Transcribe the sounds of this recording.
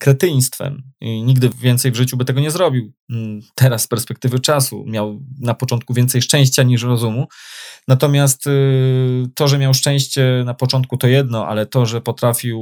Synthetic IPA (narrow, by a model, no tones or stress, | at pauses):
kɾɛt̪ɘj̃st̪fɛ̰miɲiɡd̪ɘvʲjɛnt̪sɛjvʐɘt͡ɕubɘt̪ɛɡɔɲɛzɾɔbʲiwt̪ʰɛɾasːpɛɾspɛk̚t̪ɘvɘt͡ʂasṵmʲjawnapɔt͡ʂɔnt̪kuvʲjɛnt̪sɛjʂt͡ʂɛ̃w̃ɕt͡ɕaɲiʂɾɔzumunat̪ɔmʲjast̪ː | ɔʐɛmʲjawʂt͡ʂɛ̃w̃ɕt͡ɕɛnapɔt͡ʂɔnt̪̚kut̪ɔjɛd̪nɔʔa̰lɛt̪ɔʐɛpɔt̪ɾafʲiw